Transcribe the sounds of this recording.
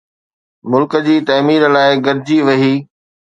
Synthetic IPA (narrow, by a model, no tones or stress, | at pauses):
mʊlkəd͡ʑiːt̪ɐːmiːɾlaːɪɡɐɾd͡ʑiʋɐɦiː